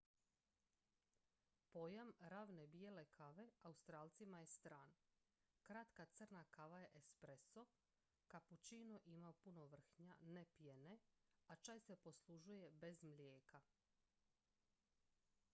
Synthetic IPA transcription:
po̞jamɾaʋne̞bije̞le̞kʰaʋe̞aust̪ɾaːlˠt̪simaje̞st̪ɾaːn | kɾat̪kat̪sɨr̩nakaʋaje̞ʔespɾeso | kaput͡ɕinoʔimaopuno̞ʋr̩xɲanepjeneat͡ʃajse̞po̞slˠuʒuje̞be̞zmlʲjeːka

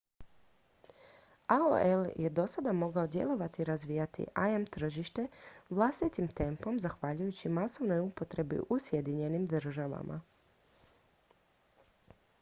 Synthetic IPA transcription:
aoeljʔed̪o̞sad̪amo̞ɡao̞d̪je̞̰lˠo̞ʋat̪iɾazʋiːjat̪ḭʔaemt̪r̩ʒiʃt̪e̞ʋlˠast̪it̪imt̪e̞mpo̞mzaxʋaʎujut͡ɕimaso̞ʋno̞jupo̞t̪ɾe̞bḭʔusje̞d̪iɲe̞nimd̪r̩ʒaʋa̰mʔa̰

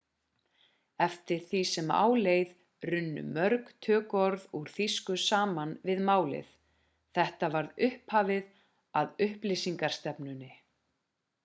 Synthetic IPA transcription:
ɛft̪ɪɾ̥θisɛma̰ːwleːjð | rʏnːʏ̰mœɾkt̪ʰœːkɔɾðuɾ̥θiskʏsaːmanvɪðmaːwlɪ̰θ | θɛht̪avaɾðʏhphaːvɪð | aðʏhplɪsiŋkaɾ̥st̪ɛpnʏnːɪ

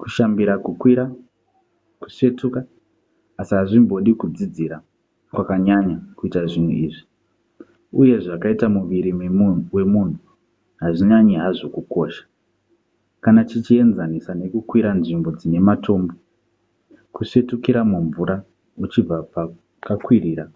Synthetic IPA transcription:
ku̥ʃambiɾakukwiɾa | ku̥ʂe̞tukaː | siɦaʐimbo̞ɗikud͡zid͡ziɾa | kwakaɲaɲakuitaʐin̤ṵiːʐi | uje̞ʐakaitamuʋiɾiwe̞mun̤u | ɦaʐiɲaɲiɦaʐokuko̞ːʃḁ | kanat͡ʃit͡ʃie̞nzanisane̞kukwiɾanʐimbo̞d͡zine̞mato̞ːmbo | kuʂe̞tukiɾamuɱvuɾa | ut͡ʃib͡vapa | kakwiriːɾa

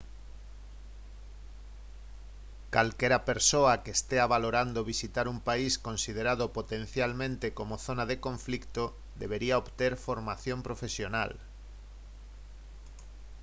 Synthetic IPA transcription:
kalkeɾapeɾsoakeːst̪eaβaloɾand̪oβisit̪aɾumpaiskõnsiðeɾaðopot̪ẽnθjalmẽnt̪ekomoθonaðekõɱflikt̪o | d̪eβ̞eɾiaoβt̪eɾfoɾmaθjompɾofesjona̰l

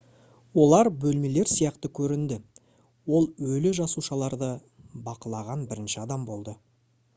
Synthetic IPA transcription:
wo̞lˠɑɾbɵlme̞le̞ɾsijɑqt̪əkʲʰɵɾɪnd̪ɪ | wo̞lˠwɵlɪʒɑsuʃɑlˠɑɾd̪ə | bɑqəlˠɑʁɑnbɪɾɪnʃɪɑd̪ɑmbo̞lˠd̪ə

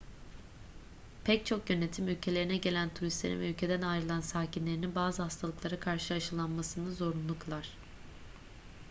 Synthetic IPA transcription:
pʰɛc̚t͡ʃʰo̞kjø̞ne̞t̪ʰimylʲcʰe̞lʲe̞ɾinɛɟe̞lʲænt̪ʰuɾist̪lʲḛḭnvɛylʲcʰe̞d̪ænajɾɯlˠansaːcʰinlʲe̞ɾininbaːzɯhast̪ʰalˠɯklˠaɾakʰaɾʃɯaʃɯlˠanmasɯnɯzo̞ɾunlˠuklˠaɾ̥

